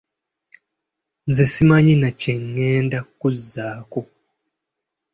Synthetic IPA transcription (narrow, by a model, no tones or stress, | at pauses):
nzesimaɲinaceŋːeːndakuzːaːko